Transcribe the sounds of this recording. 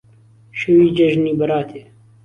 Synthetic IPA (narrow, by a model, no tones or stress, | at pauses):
ʃɐwiːd͡ʒɐʒniːbɐɾaːt̪ʰeː